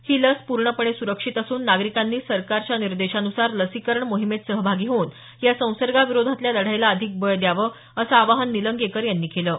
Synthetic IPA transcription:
hiːləspuɾɳəpəɳ̃esuɾəkʂit̪əsuːnːaɡɾikanːiːsəɾkaɾt͡ɕjaniɾd̪eɕanusaɾləsikəɾɳmoɦimet̪səɦbʱaɡiːɦoːn | jasə̃w̃səɾɡaʋiɾod̪ʱat̪ljaləɽ̤ajlaəd̪ʱik̚bəjd̪jaʋə | əsəaʋaɦanːiləŋɡekəɾjanːiːkʰeləː

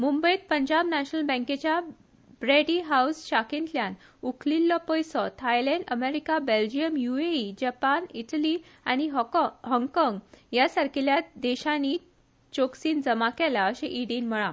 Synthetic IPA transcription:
mumbəit̪̚pəɲd͡ʑabnaɕnəlbə̃ŋket͡ɕja | bɾeɖiɦausɕakẽnʈljan | ukʰlilːɔpɔjsɔt̪ʰajlɛ̃ɳɖəmeɾikabeld͡ʑijəmjueid͡ʑapaniʈəli | añiɦɦɔŋkɔŋɡjasaɾkʰiljad̪ɛɕãni | t͡ɕoksiːnd͡zəmakɛlaəɕẽʔiɽiːnməɭã

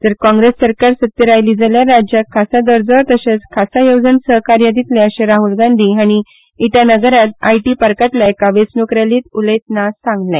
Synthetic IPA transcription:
d͡z̪əɾkɔ̃ŋɡɾesːəɾkaɾsət̪jəɾajliːd͡zaljaɾad͡ʑjakʰːasad̪əɾd͡zəɾt̪əɕet͡skʰasajowd͡zənsəɦkaɾjad̪it̪leəɕeɾaɦulɡãnd̪ʱiːaɽ̃iː | ʈ̪janəɡəɾat̪a̰jʈipəɾkat̪lajekaʋesnukɾaliːt̪uləjt̪nasãŋɡlã

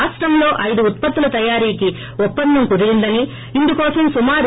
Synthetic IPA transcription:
sʈɾɐmlo̞ːʔɐjd̪uːt̪̚pɐt̪ːulɐt̪ɐjaːɾiːki | ɔpːɐnd̪ːɐmkud̪iɡind̪ɐniː | nd̪ukɔːsɐmsumaːɾ

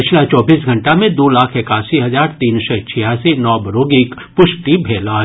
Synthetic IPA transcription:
pɪt͡ʃʰlat͡ʃɔːbiːsɡʱɐ̃ɳʈamẽd̪oːlaːkʰekaːsiɦɐzaːɾt̪iːnsɛt͡ʃʰɪjaːsinɔːbɐɾoːɡɪk | pʊʃʈibʱeːla

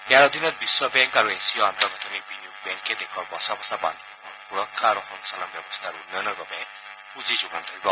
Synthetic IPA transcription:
ɛaɾɔd̪inɔt̪̚biswɔbɛŋkaɹuesiɔant̪ɔɡʱɔt̪ʰɔnik̚biniukbɛŋkʰːɛd̪ekʰɔɹbɔsabɔsaba̰nd | bɔnxuɾɔkʰːaɾɔxɔnsanabjɔbɔst̪ʰaɾuunːɔjnɔɡɔbɛ | uzizubant̪ʰɔɾibɔ

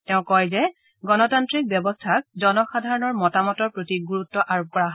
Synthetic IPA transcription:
tɛʊ̃kɔjzɛ | ɡɔnɔtantɹik̚bjɔbɔstʰak̚zɔnɔxadʱaɹɔnɔɹmɔtamɔtɔɹpɹotiɡuɹutːɔʔaɹop̚kɔɹaɦ

